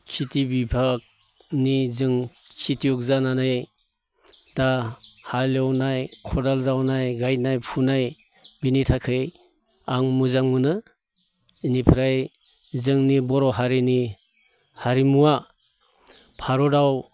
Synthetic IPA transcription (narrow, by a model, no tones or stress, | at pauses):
kʰitibibʱak̚ | nizɯŋkʰitijɔk̚zanana | tahalawnajkʰɔdalzawnajɡajnajpʰunaj | binitʰakʰɯj | aŋmuzaŋmunɯ | inipʰɾaj | zɯŋnibɔɾɔɦaɾini | haɾimua | pʰaɾɔdaw